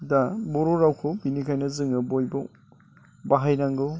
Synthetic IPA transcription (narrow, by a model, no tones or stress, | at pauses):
dabɔɾoɾawkʰɯbinikʰajnɐzɯŋɯbojbɔ | baɦajnaŋɡɯ